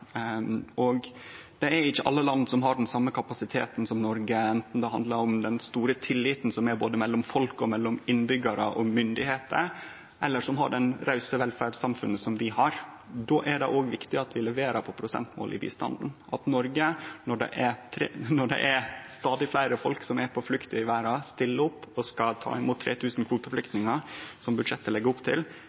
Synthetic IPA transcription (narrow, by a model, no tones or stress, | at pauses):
ʔɔɡd̪̥ɛæɾɪçːəʔɑ̰lːəlɑnːsɔmɦɑɖɛnsɑmːəkʰɑpɑsɪt̪ʰḛːt̪n̩sɔmnɔɾɡəɛnt̪n̩d̪ɛɦɑnd̪lɑɾɔmd̪ɛnst̪uːɾət̪ʰɪlːɪːt̪n̩sɔmæɾboːd̪əmɛlːɔmfɔlkɔmɛlːɔmɪnbʏɡɑɾəʔɔmʏnd̪ɪheːt̪ə̰ɾ | ʔɛlːəʂɔmɦɑ̰ɖɛnɾɑʉsəʋɛlfæɖsɑmfʉnːəsɔmʋɪhɑɾ | d̪oːʔæɖɛʔoːɡʋɪkt̪ɪɑt̪ʰʋɪlɛʋeːɾɑpʰɔpʰɾʊsɛ̰nt̪mo̰ːlʔɪ̰bḭːst̪ɑ̰nd̪n̩ʔɑt̪nɔɾɡənɔɖɛ̰ʔɛt̪ʰɾenɔɖɛ̰ʔæɾst̪ɑːd̪ɪflæɪɾəfɔlksɔmæɾpʰɔflʉkt̪əɪʋæːɾɑst̪ɪlːəɔpːɔskɑt̪ʰɑ̰ːɪmuːt̪ʰːɾeːt̪ʰʉːsn̩kʰʋuːt̪əflʏkt̪nɪŋɑsɔmbʉd̪ʂɛt̪ːəlɛɡːəʊpt̪ʰɪl